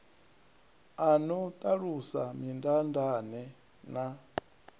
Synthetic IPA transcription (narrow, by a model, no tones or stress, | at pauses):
anɔt̪ʼaɺusamindandanɛ | na